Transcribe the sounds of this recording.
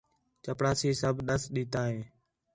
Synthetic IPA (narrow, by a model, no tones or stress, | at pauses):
t͡ʃəpɽaːsiːsəbʱɗəsɗiːt̪aːɦeː